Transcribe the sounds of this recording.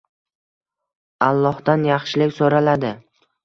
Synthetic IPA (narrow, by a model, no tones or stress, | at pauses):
alˠːɒhd̪anjɑχʃɪlɪkʲsoɾalad̪ɪ